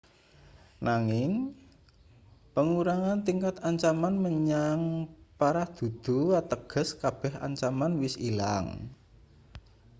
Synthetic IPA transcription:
naŋɪŋ | pəŋuɾaŋant̪iŋkat̪aɲt͡ʃamanməɲaŋpaɾahd̪̥ṳd̪̥ṳat̪əɡ̥ə̤skab̥ɛɦa̰ɲt͡ʃamanwɪsila̰ŋ

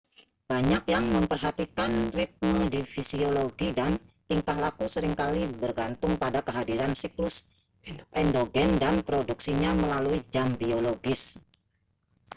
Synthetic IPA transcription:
baɲakjaŋməmpərɦat̪ikanrit̪̚mədifisioloɡidant̪iŋkahlakusəɾɪŋkalibərɡant̪ʊŋpadakəɦadiɾansiklʊs | ʔɛndoɡɛndanpɾoduksiɲaməlaluid͡ʒambioloɡɪs

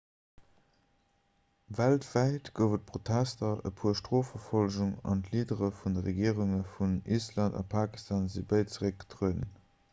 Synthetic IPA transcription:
væltv̥æɪtɡ̥əʊvət̚pʁotʰæstɐə̰pʰuəʃtʁoːfɐfolʒuŋɑ̰ntliːdəʁəfundəʁeɡiəʁuŋəfunislɑndɑ̰pʰaːki̥stʰaːnzibəɪt͡səʁək̚ɡə̥tʁuənən

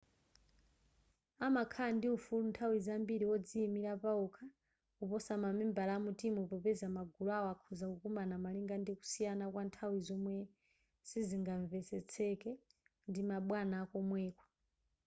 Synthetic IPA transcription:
amakʰandiufuluntʰawizambiɾiwɔd͡ziːmiɾapaɔkʰa | upɔsamamɛmbalamutimuupɔpɛzamaɡʱulɔaɔakʰuzakukumanamaliŋɡandiku̥sijanakwantʰawizɔmwɛ | siziŋɡaɱvɛsɛt͡sʰɛkɛ | ndimaɓwanaːkɔmwɛːkɔ̥

